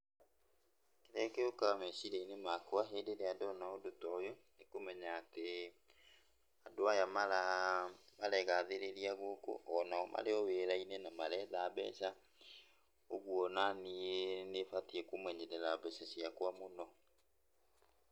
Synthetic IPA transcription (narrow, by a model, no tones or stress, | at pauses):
keɾɛkeokamɛsiɾeinemakoaɦendeɾeadɔnaodotɔjonekomɛɲaːte | adoajamaɾa | maɾɛɣaðeɾeɾiaɣoko̰ʔɔnaɔmʔa̰ɾeɔweɾainenamaɾɛðabɛ̰sa | oɣuɔnanienefatiɛkomwɛɲɛɾɛɾabɛsasiakwamonɔ